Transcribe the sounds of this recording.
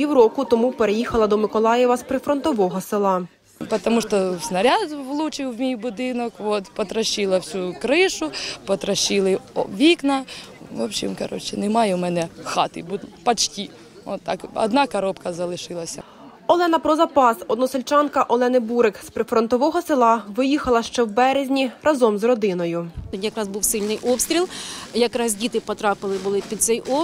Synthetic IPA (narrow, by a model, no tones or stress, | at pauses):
pʲiwɾɔkʊt̪ɔmupeɾejixɐlˠɐd̪ɔmɪkɔlˠɑjɛʋɐspɾɪfɾɔnt̪ɔʋɔɦɔsɪlˠɑ | pɔt̪ɔmuʃt̪ɔsnɐɾʲɑd̪ʋlˠut͡ʃɪwmʲijbʊd̪ɪnɔkʋɔt̪pɔt̪ɾɐʃilˠɐwsʲukɾɪʃʊpɔt̪ɾɐʃilˠɪɔʋʲiknɐʋɔbʃʲḭmkɐ̰ɾɔ̰t͡ʃːɪnɛmɑjɛmɛnɛxɑt̪ɪ̰bud̪pɐt͡ʃtʲi | ɔ̰t̪ːɑ̰kɔ̰d̪nɑkɐɾɔpkɐzɐlˠɪʃɪlˠɐsʲɐ̰ | ɔlˠɛnɐpɾɔzɐpɑsɔd̪nɔsɪlʲt͡ʃɑnkɐʔɔlˠɛnɪbuɾɪkspɾɪfɾɔnt̪ɔʋɔɦɔsɪlˠɑʋɪjixɐlˠɐʃt͡ʃɛwbɛɾezʲnʲiɾʔɐzɔmzrɔd̪ɪnɔjʊtʲjɐkɾɑzbuwsɪlʲnɪjʔɔpsʲt̪ʲɾʲilˠjɐkɾɑzʲdʲit̪ɪpɔt̪ɾɑpɪlˠɪbʊlˠɪpʲid̪t̪sɛjʔɔ